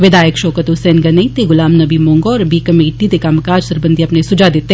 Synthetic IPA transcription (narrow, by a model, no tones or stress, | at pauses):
ʋɪd̪aːjəkʃoːkət̪ʊsɛːnɡɐnɐĩt̪eɡʊlaːmnɐbimoːŋɡoːɾbiːkɐmeːʈid̪ekamkaːd͡ʒsɐɾbənd̪ʱiɐpnesʊd͡ʒad̪ɪt̪ːe